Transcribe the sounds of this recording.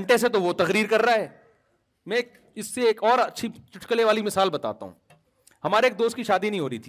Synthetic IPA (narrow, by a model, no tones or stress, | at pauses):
ɳʈeset̪oʋot̪ɐɣɾiːɾkɐɾːaɦɛː | mɛ̃k | ɪsːeːkɔːɾɐtːʃʰit͡ʃʊʈkəleʋaːlimɪsaːlbɐt̪a̰ːt̪a̰ɦṵ̃ː | hɐmaːɾeːk̚d̪oːst̪̚kiʃaːd̪inɐɦĩɦoːɾɐit̪ʰiː